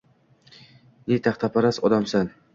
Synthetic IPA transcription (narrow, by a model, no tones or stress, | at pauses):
net̪ʰaχt̪ʰapʰaɾasɒd̪amsan